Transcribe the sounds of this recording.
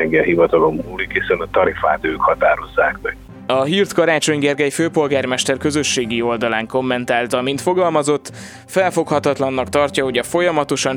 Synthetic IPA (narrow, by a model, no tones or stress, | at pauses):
ɛŋɡɛlɦivɒt̪ɒlo̞mːuːlikhisɛnɒt̪ɒɾifa̰ːt̪øːkhɒt̪aːɾo̞zːaːkmɛɡ̥ | ɒɦiːrt̪kɒɾaːt͡ʃo̞ɲɡɛrɡɛjføːpo̞lɡaːrmɛʃt̪ɛrkøzø̞ʃːeːɡio̞ld̪ɒlaːŋko̞mːɛnt̪aːlt̪ɒmint̪fo̞ɡɒlmɒzo̞t̪ː | fɛlfo̞khɒt̪ɒt̪lɒnːɒkt̪ɒrcɒɦo̞ɟɒfo̞jɒmɒt̪o̞ʃɒn